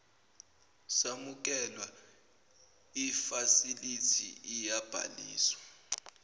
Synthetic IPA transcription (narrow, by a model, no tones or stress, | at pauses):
samuk̬ɛlwa | ifasilitʰiijab̥ʱa̰liːswḁ